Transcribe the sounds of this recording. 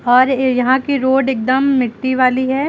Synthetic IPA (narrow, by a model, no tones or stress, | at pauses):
ɔːɾjɐɦãkiɾoːɖek̚d̪əmːɪʈːiʋaːliɦɛː